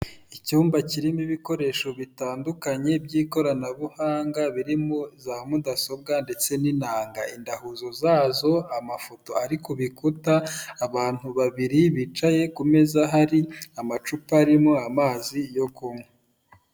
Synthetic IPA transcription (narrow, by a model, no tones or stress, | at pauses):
icuːmbaciɾimiβiko̞ɾe̞ːʃo̞βitaːndukaɲe̞bɟiːko̞ɾanaβuhaːŋɡaβiɾimozamudaso̞bɡande̞t͡se̞ninaːŋɡaindahuzo̞zaːzo̞amafo̞to̞̰aɾikoβikutaːβaːn̥huβaβiɾiβit͡ʃaje̞kume̞zaɦaɾiamat͡ʃupaɾimoamaːzijo̞kuŋwe